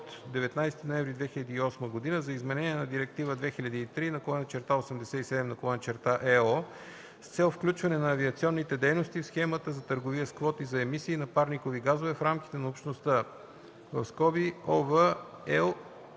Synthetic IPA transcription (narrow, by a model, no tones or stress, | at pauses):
t̪d̪ɛvɛt̪najst̪inoɛ̃vɾid̪vɛxilʲɐd̪iːɔsməɡod̪inəzɐizmɛnɛniɛnɐd̪iɾɛk̚t̪ivəd̪vɛxiʎʲɐd̪iːt̪ɾinɐkolˠɔnət͡ʃɛɾt̪aosɛmd̪ɛsɛt̪isɛd̪ɛmnɐkolˠɔnət͡ʃɛɾt̪aʔɛɔ | st̪sɛlˠfklʲut͡ʃvɐnɛnɐːviət̪siɔnːit̪ɛd̪ɛjnost̪ifsxɛmət̪əzɐt̪əɾɡoviəskvɔt̪izɐɛmisiːnɐpaɾnikoviɡazovɛfɾamki̥t̪ɛnɐopʃt̪nost̪ə | vɐ̰fskɔbiɔvəɛlˠ